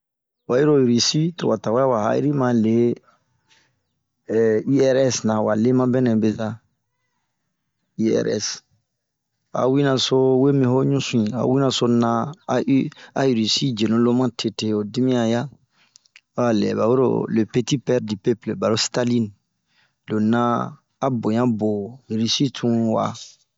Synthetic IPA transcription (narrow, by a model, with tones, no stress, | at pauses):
wa˨ji˦ɾo˨ji˨ɾi˨si˦to̰˨wa˨ta˨wa˦a˦wa˨ha̰˦ḭ˦ɾi˦mã˨le˨˦˨ | i˦ɛ˦ɾɛ˦snã˨wa˨le˦mã˦bɛ˦nɛ̃˨be˨za˦ | i˦ɛ̰˦ɾɛ̰˦s | a̰˨wi˦nã˨so˦we˦mĩ˨ho˦ɲũ˦sũ˦ĩ˨a̰˨wi˦nã˨so˦nã˦ | a˨i˨ɾi˨si˦d͡ʒe˨nũ˦lo˦mã˦tʰe˨te˨o˨di˦mĩ˦ã˨ja˦ | o˦a˨lɛ̰˨ba˨we˦ɾo̰˨le˨pe˦ti˦pɛ˦ɾdi˨pe˦ple˨ba˨ɾo˦sta˦li˦n | lo˨nãː˦ | bõ˨jã˦bo˨ji˨ɾi˨si˦tʰũ˦wa̰˨